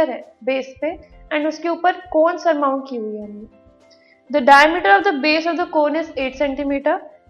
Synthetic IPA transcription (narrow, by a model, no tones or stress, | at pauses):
əɾɛbeːspẽɛ̃ːɳɖʊskeuːpəɾkoːnsɐɾmaːʊ̃ɳʈkiɦuiɦãːnɡi | d̪əɖaːjəmɪʈəɾɔːʋd̪əbeːsɔʋd̪əkoːnɪzeːʈsɛ̃ɳʈimiːʈəɾ